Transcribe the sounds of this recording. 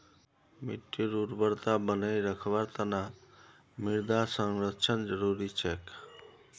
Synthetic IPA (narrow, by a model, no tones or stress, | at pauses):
miʈːiɾuɾbəɾt̪abənəjɾəkʰbəɾt̪əna | miɾd̪asəŋɾətːt͡ʃʰənd͡ʒəɾuɾit͡ʃʰɛk